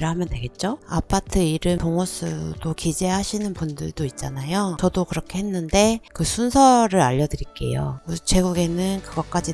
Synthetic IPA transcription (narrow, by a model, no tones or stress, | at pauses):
ɾɯɦamjʌntwe̞ɡe̞t̚t͡ɕ͈oa̰pʰatʰɯiɾɯmtoŋos͈ʰudokid͡ʑe̞ɦaɕʰinɯnpundɯɭdoit̚t͡ɕ͈anajot͡ɕʌdokɯɾʌkʰe̞ɦe̞nːɯnde̞kɯsʰunsʰʌɾɯɾaʎːʌdɯɾik͈e̞̰jo̰kɯt͡ɕʰwe̞ɡuɡe̞nɯnkɯɡʌk͈ad͡ʑi